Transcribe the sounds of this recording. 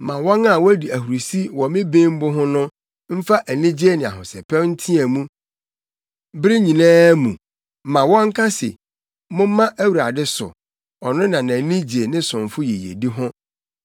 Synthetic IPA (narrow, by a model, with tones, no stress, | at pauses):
mã˨wɔ̃˦na˦˨wɔ˦æ˦di˨æ˨hu˨ɾu˨si˦wɔ˨mɪ̃˦bẽ˦m̩˦bʊ˦ɦʊ̃˦nʊ̃˦ | m̩˦fa˦ʔæ˨nĩ˦d͡ʑe˦nɪ̃˨a̰˨ɦʊ̃˨sɛ̰˨pʰɛ̃˦n̩˦tʰĩ˦æ˨mũ˦ | bɾɪ˦ɲĩ˨nãː˦mũ˨ | mã˨wɔ̃˦ŋ̩˦kʰa˦sɪ̰˨ | mʊ̃˦m˦mã˦ʔæ˦wu˨ɾa˨dɪ˦sʊ̰˨ | ɔ˨nʊ̃˦nã˨nã˨nĩ˦d͡ʑe˨nɪ̃˦sʊ̃˨ɱ˨fʊ˦jɛ˨jḛ˨di˦ɦʊ̃˦